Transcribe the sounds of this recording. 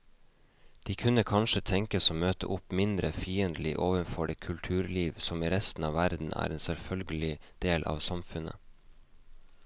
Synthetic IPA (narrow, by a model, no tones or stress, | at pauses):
d̪̥iːkʰʉnəkʰɑnʃət̪ʰɛŋkəsoːmøːt̪ə̰ʔʊpmɪnd̪ɾəfiːənd̪lɪʔoːʋənfɔɖeːkʰʉlt̪ʰʉːɾliːʋsɔmiːɾɛst̪n̩ɑːʋæɾd̪n̩ʔæ̰ːɾʔeːnsɛlfœlɡəlɪd̪̥eːlʔɑ̰ːʋsɑmfʉnə̰